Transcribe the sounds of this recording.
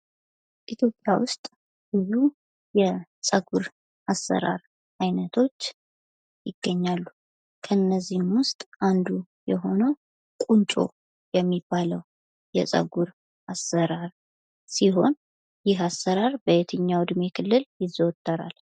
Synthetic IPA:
ʔit̪ʰjo̞pʼjawʊst̪ʼ | bɨzu | jɛsʼəɡuɾ | ʔasːə̰ɾa̰ɾ | ʔajnət̪ʰo̞t͡ʃː | jɪɡ̥ːəɲːalːu | kʰəɨnːəzːihmwʊst̪ʼʔand̪u | jɛɦo̞nə | kʼunt͡ʃʼo̞̰ | jɛmːibːaləw | jɛ̰sʼə̰ɡuɾ | ʔasːəɾaɾ | siɦo̞n | jɪɦasəɾaɾbəjet̪ʰɨɲːawd̪me̞kʰɨlːɨljɪzowt̪ʼːəɾa̰l

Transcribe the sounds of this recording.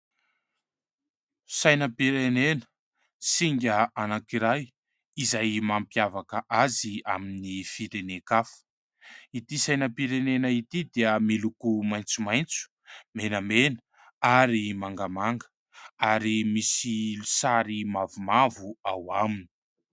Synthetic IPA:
sajnəpiɾenenə̥ | siŋɡʲəanakiɾaj | izajmampiavakəʔazia̰minifiɾenekafə̥ | it̪isajnəpiɾenenəit̪id̪eəmilukumajnt͡sumajnt͡su̥ | menəmenə | aɾimaŋɡamaŋɡə̥ | aɾimisilusaɾimavumavuawamini̥

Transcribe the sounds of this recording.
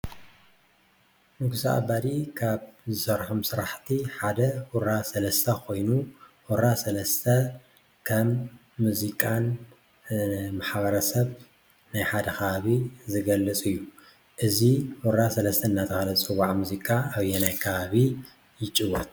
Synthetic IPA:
mɨɡʰusa̰ʔa̰bad̪ikʰaβzɨsɐɾħomsɨɾaħt̪ʰiħad̪ɐwuɾasɐlɐst̪ʰɐkʰo̞jnuwɔɾasɐlɐst̪ʰɐ | kʰɐmː | uzikʼan | maħβɐɾɐsɐβ | najħad̪ɐkʰɐβaβizɨɡɐlːɨt͡sʼɨjːu | ʔɨziwɔɾasɐlɐst̪ʰɐɨnːat̪ʰɨxalɐt͡sʼɨwaʕmuzikʼaaβjɛnajkʰɐβaβi | jɪt͡ʃʼɨwɐt̪̚

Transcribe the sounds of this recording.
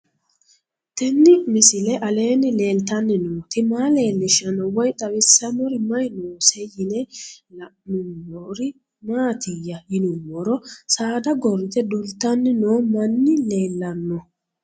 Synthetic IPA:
t̪ɛnːɪmɪsɪlɛʔɐle̞ːnɪle̞ːlt̪ɐnːɪnoːt̪ɪmaːle̞ːlːɪʃɐnɔwɔjt̪ʼɐwɪsːɐmɔɾɪmɐjnoːsɛjɪnɛlɐmʊnːɔɾɪ | maːt̪ɪjɐjɪnʊmːɔɾɔsaːd̪ɐɡɔɾɪt̪ɛd̪ʊlt̪ɐnːɪnoːmɐnːɪle̞ːlːɐnːɔ

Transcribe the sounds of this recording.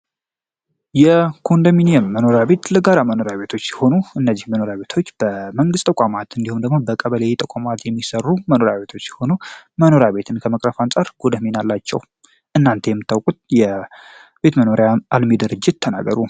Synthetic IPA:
jɛkʰo̞nd̪əminijɛmːəno̞ɾjaβe̞t̪ləɡaɾaməno̞ɾjaβe̞t̪ʰo̞t͡ʃːjɛho̞nuʔɨnːəzːihməno̞ɾjaβe̞t̪ʰo̞t͡ʃːb̥əməŋɡɨst̪ʼəkʼamat̪ɨnd̪ihumd̪əɡmo̞bəkʼəβəlejt̪ʼəkʷʼamat̪jɛmːisərːuməno̞ɾjaβe̞t̪ʰo̞t͡ʃːjɛho̞numəno̞ɾjaβe̞t̪ʰɨnkʰəməkʼɾəfant͡sʼaɾɡ̥od̪əmenalːat͡ʃːɛ̰w | ʔɨnːant̪ʰejɛmːɨt̪ːawkʼut̪̚jɛ | b̥e̞t̪məno̞ɾjaalmed̪ɨɾɨd͡ʒːɪt̪ːʰəna̰ɡə̰ɾu

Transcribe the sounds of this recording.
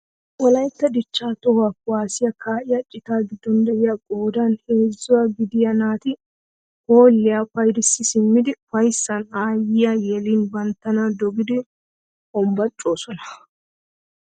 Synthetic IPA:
wɔlɐjt̪ːɐd̪ɪt͡ʃːaːt̪ɔhakwaːsɪjɐkaːʔɪjɐt͡ʃʼɪt̪aːɡɪd̪ːɔnd̪ɛjɪjaɡʼoːd̪anheːzːʊwaɡɪd̪ɪjɐnaːt̪ɪ | ho̞ːlːɪjafɐjd̪ɪsːɪsɪmːɪd̪ɪfɐjsːɐnaːjɪjajɛliːnbɐnt̪ːɐnad̪ɔɡɪd̪ɪ | ɔmbɐt͡ʃʼːo̞ːsɔnɐ̥

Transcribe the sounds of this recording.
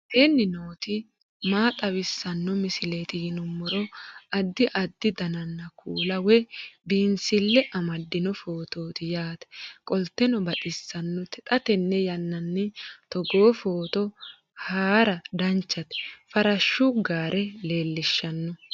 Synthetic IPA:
henːɪnoːt̪ɪ | maːt̪ʼɐwɪsːɐnːɔmɪsɪlet̪ɪjɪnʊmːɔɾɔɐd̪ːɪʔɐd̪ːɪd̪ɐnɐnːɐkʰuːlɐwɛbiːnsɪlːɛʔɐmɐd̪ːɪnɔfoːt̪o̞ːt̪ɪjaːt̪ɛ̥kʼɔlt̪ːɛnɔbɐt̪ʼɪsːɐnːɔt̪ɛt̪ʼɐt̪ɛnːɛjɐnːɐnːɪt̪ɔɡoːfoːt̪ɔ | haːɾɐd̪ɐnt͡ʃːɐt̪ɛ̥fɐɾɐʃːʊɡaːɾʔɛle̞ːlːɪʃːɐnːɔ

